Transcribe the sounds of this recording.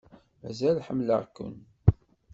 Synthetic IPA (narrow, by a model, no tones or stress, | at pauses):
mæ̰zælħəmləʁkːʊ̰n